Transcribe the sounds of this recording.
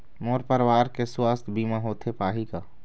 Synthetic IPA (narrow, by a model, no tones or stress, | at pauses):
moːɾpəɾwaːɾkeswaːst̪ʰbiːmaɦoːt̪ʰepaːɦikaː